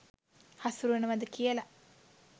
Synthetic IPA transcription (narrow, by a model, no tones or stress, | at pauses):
hasuɾuʋenəʋad̪əkijəla